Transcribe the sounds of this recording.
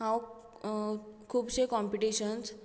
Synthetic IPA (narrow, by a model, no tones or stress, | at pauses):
ɦãw | kʰuːbɕekɔmpiʈiɕəns